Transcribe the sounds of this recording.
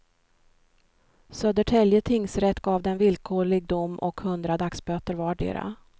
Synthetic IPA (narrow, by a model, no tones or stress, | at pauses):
søːd̪əʈʰɛljət̪ʰɪŋsɾɛt̪ːɡɑːvd̪ɛnvɪlkʰoːɭɪɡ̚d̪ʊmːʔɔ̰khɵnd̪ɾad̪aksbøːt̪əɾvɑːɖḛːɾa̰